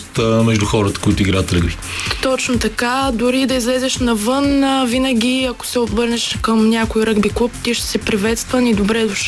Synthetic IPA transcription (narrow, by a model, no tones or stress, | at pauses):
t̪mɛʒd̪uxɔɾət̪ə̥koit̪ʊiɡɾaət̪ɾəɡbi | t̪ɔt͡ʃnot̪ɐkad̪ʊɾid̪ɐizlɛzɛʃnɐvɤnvinəɡʲiɐko̥sɛob̪vɤɾnɛʃkəmnʲakʊiɾɤɡbiklˠup̚t̪iʃt̪ɛ̥sɛpɾivɛt̪st̪vənid̪obɾɛd̪ʊʃ